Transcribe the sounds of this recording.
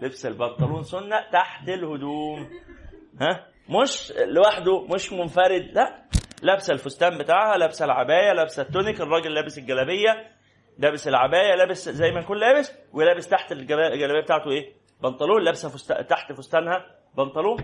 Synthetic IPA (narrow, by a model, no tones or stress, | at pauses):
lebselbɑnt̪ˤɑluːnsonːæʔt̪aħt̪elhod̪uːm | hæ | moʃlːewaħd̪omoʃmonfæɾed̪læʔlæbsælfost̪æːmbet̪aːʕhælæbsælʕabæːjælæbsæt̪ːonekerˤːɑːɡelːæːbeselɡælæbejːæ | læːbeselʕabæːjælæːbeszæjːmækuːnlæːbes | welæːbest̪aħt̪elɡæɡælæbejæbet̪aːʕt̪oʔeː | bɑnt̪ˤɑluːnlæːbeshæfost̪æ̰t̪aħt̪fost̪æːnhæ | bɑnt̪ˤɑluːn